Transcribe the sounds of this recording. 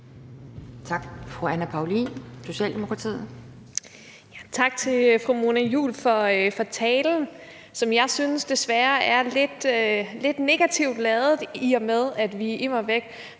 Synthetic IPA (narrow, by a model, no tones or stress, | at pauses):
t͡sʰɑ̈ɡ̥fʁuænæpʰɑ̈ʊliso̝ɕɛ̰ːld̥emo̝kʰʁɑ̈t͡sʰḭː | jæt͡sʰɑ̈ɡ̥̚t͡sʰe̝lfʁumo̝næjṵːlfɒ̽fɒ̽t͡sʰɛːln̩ | sɒ̽mjɑ̈ɪsynəsd̥e̝sʋæɐæɐle̝d̥le̝d̥ne̝ɡ̥æt͡sʰiʊd̥lɛːðˠð̩ˠiɒmeðˠæd̥ʋiimɑʋeɡ̥